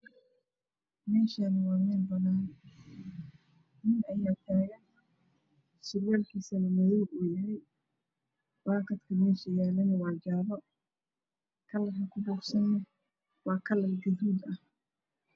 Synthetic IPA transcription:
mɛːʃanɐwɑːmɛːnbɐnaːn | nɪnɐjaːt̪ʰaːɣɐn | sɪwɛːlkʰiːsɐnɐmɐðuːɡuːjɐɦɛj | waːkɐt̪kʰɐmɛːʃɐjaːlɐnwɑːd͡ʒaːɾɔ | kʰɐlɐrɐkʰʊbuːksɐnːɐ | wɑːkʰɐlɐlɡɐðuːd̪ɐh

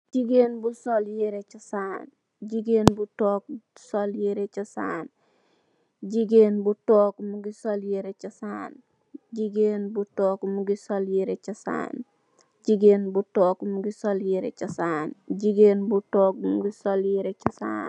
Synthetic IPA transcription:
d͡ʒiɡenbusoljiɾet͡ʃɐsaːn | d͡ʒiɡenbutoːk̚soljiɾet͡ʃɐsa̰ːn | d͡ʒiɡenbutɔːkmuɡisoljiɾet͡ʃɐsaːn | d͡ʒiɡenbutɔkmuɡisoljiɾet͡ʃɐsa̰ːn | d͡ʒiɡenbutɔːkmuɡisoljiɾḛt͡ʃɐsaːnd͡ʒiɡenbutɔːk̚mɡisoljiɾet͡ʃɐsa̰n

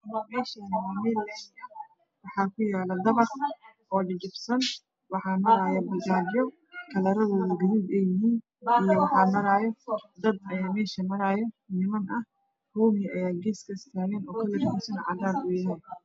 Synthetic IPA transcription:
mɐmɛːʃɐnmaːmɛlɛɐ | wɑħɑːkʰʊjaːlɐd̪ɐβɐrʔɔːɖɪd͡ʒɪbsɐn | wɑħɑːmɐɾaːjɐbɐlɡaːdɪjɔ | kʰɐlɐɾɐðɔːðɐɡɐðiːd̪ɛjɪɦiːn | ɪjɔwɑħɑːmɐɾaːjɔd̪ɐd̪̚ɐjaːmɛːʃɐmɐɾaːjɔ | nɪmɐnʔɐh | huːmɪjʔɐjaːɡɛːskʰɐɪst̪ʰaːɣɛːnɔːkʰɐlɪrɡusɐnʕɑ̰ɣaːɾʊjɪɦɛːn

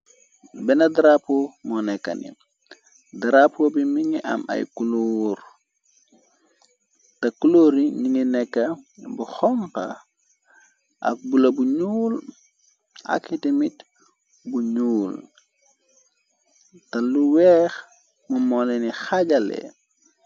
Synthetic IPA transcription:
bɛnɐdɾapomɔnɛkːɐ̰nḭ | dɾapobimiɲiʔɐ̰mɐ̰jkulor | tɐkuloːɾiɲininɛkːɐbuxɔmpɐ̰ | ʔɐ̰k̚bulɐbuɲuːl | a̰kitimit | buɲuːl | tɐluwɛːx | mumɔnɛnixaɟɐlɛ̰

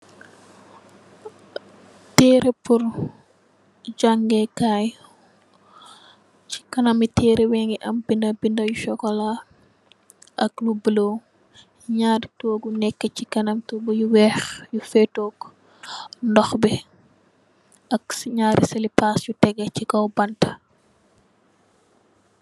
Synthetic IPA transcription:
tɛːɾepur | ɟaŋɡɛkaj | ci̥kɐnɐmitɛːɾɛwɛŋɡiʔɐmbindɐbindɐjuʃɔkɔla | ʔɐklubəlo | ɲaːɾtoːɡunɛkːəcikɐnɐmtɔbujuwɛxjufɛtɔːk | ndɔxbi | ʔɐksɲaːɾisɐlipaːsjutɛɡɐcikɔwbɐntɐ̥

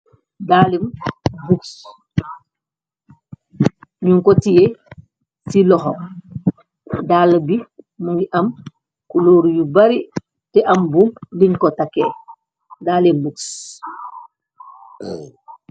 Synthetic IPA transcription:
daːlimbuks | ɲuŋkɔtije | silɔxɔ̰ | daːlbi | muŋɡiʔɐm | kuloːɾjubaɾi | tɛʔɐmbuːmdiɲkɔtake | daːlimbuks

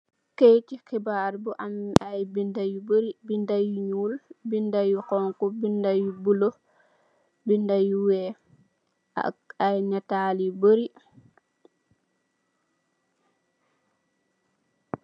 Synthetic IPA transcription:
kejt͡ʃikibaɾbuʔamːʔajbindajubəɾibindajuɲulbindajukɔŋkɔbindajubulo | bindajuwɛ | a̰ajnatalibəɾi

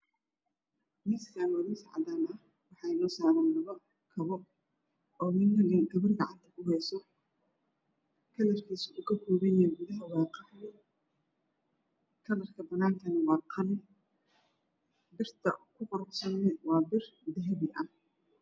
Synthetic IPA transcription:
mɪsaːnwɐðɪsɑʕd̪aːnɐh | wɑħɑjnɔːsaːɾɛːnlɐβɐ | kʰɐβɔ | ɔːmɪnːɐɡɐɡɐβɪrɡɑʕɑnt̪ʰɐkʰʊɦɛsɔ | kʰɐlɐrkʰiːsʊʔʊkɐkʰuːβɛjɛɡʊðɐɦɐwɑːqɑʕjɛ | kʰɐlɐrkʰɐbɐnaːŋkʰɐnwɑɾqʰɐn | bɪrt̪ʰɐkʰʊqɔɾbsɐnɛwɑːbɪrd̪ɛɦɛβɪʔɐ

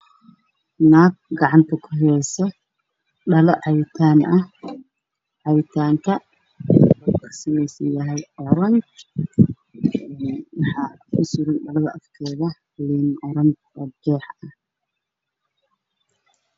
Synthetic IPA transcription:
naːɡ̚ɡɑʕɑnt̪ʰɐkʰʊɦɛɛjsɔ | ɖɐlɐʕɑβɪt̪ʰaːnɐ | ʕɑβɪt̪ʰaːŋkʰɐ | ukʰɐ̥sɐmɛjsɐnjɐɦɛjɔɾɐŋk | ɛːnwɑħɑː | kʰʊsʊɾʊnɖɐlɐðɐʔɐfkʰɛːðɐ | liːnʔɔɾɐŋ | ɔːd͡ʒɛːħɐ

